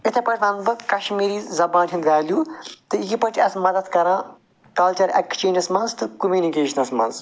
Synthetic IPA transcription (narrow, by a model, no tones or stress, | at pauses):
ɪt̪ʰepɐʈʰʲnɐnbɨkɐʃmiːɾiːzzɐbãːntʰind̪ʋʲaːljuːt̪ɨjipɐʈʰʲɐsmɐd̪ɐd̪kɐɾãː | kɐlt͡ʃɐɾɛ̰kt͡ʃeːnɐsmɐnzt̪ɨkumʲjuːnikeːʃɐnɐsmɐ̰nz